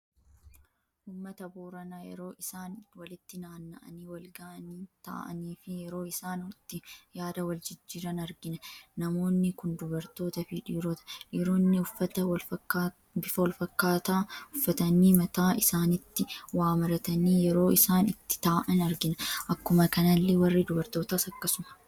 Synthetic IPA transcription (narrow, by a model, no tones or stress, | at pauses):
ʔʊmːɐt̪ɐbuːɾɐnɐjɛ̰ɾo̞ːʔɪsaːnwɐlɪt̪ːɪnaːnːɐ̰ʔɐ̰niːwɐlɡaːniːt̪a̰ːʔɐ̰niːfɪjɛɾo̞ːɪsaːnwt̪ːɪjaːd̪ɐwɐld͡ʒɪd͡ʒːiːɾɐnɐɾɡɪnɐnɐmo̞ːnːɪkʊnd̪ʊbɐɾt̪o̞ːt̪ɐfɪᶑiːɾɔt̪ɐ̥ᶑiɾoːnːɪʊfːɐt̪ɐwɐlfɐkːa | bɪfɐwɐlfɐkːaːt̪aːʊfːɐt̪ɐniːmɐt̪aːʔɪsaːnɪt̪ːɪwaːmɐɾɐt̪ɐniːjɛɾo̞ːɪsaːnɪt̪ːɪ̥t̪aːʔɐnɐɾɡɪnɐʔɐkːʊmɐkɐnɐlːɛwɐrːid̪ʊbɐɾt̪o̞ːt̪aːsɐkːɐsʊmɐ̥